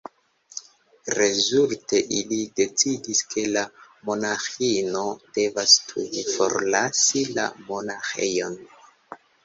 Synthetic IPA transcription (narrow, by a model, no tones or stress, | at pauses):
ɾe̞zulte̞ʔilide̞t͡sidiskʰe̞la | mo̞naxino̞de̞vastʰudifo̞̰ɾlasila̰mo̞naxe̞̰jo̞n